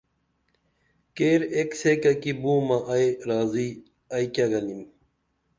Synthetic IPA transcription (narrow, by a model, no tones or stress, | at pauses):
keːɾeksekɐkibuːmɐʔɐeɾaːzi | ɐjkaɡɐnim